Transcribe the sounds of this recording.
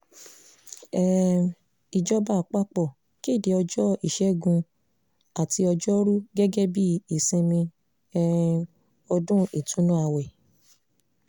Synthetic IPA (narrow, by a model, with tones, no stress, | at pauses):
ɛ˦ | i˨d͡ʒɔ˦ba˦˨k͡pa˦k͡pɔ˦˨ | ke˦˨de˨˦ɔ˧d͡ʒɔ˦i˦˨ʃɛ˦ɡũ˧ | a˨ti˧ɔ˧d͡ʒɔ˦ɾu˦ɡɛ˦ɡɛ˦bi˦i˨sĩ˧mĩ˧ | ɛ˦ | ɔ˧dũ˦e˨tũ˨˦nũ˦a˧wɛ˨